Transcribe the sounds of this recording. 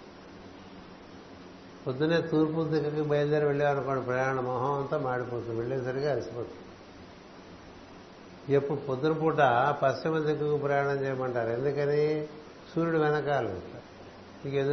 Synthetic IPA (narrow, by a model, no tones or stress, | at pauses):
pod̪ːuneːt̪uːɾp̬ud̪ikːɐkibɐjld̪eːɾiʋeɭːeːɐnukoːɳːɖipɾɐjaːɾɐɳɐmɐɦoːɐnt̪ɐːmaːɽipoːt̪unʋeɭːeːsɐɾiɡaɐlisipoːt̪u | epːuɽupod̪ːunɐpuːʈapɐst͡ʃɐmɐd̪ikːukupɾɐjaːɳɐmt͡ʃɛːjɐmɐɳʈaːɾe̞nd̪ukɐneː | suːɾuɽuʋɛnɐkaːluɐ̰t̪a | ikend̪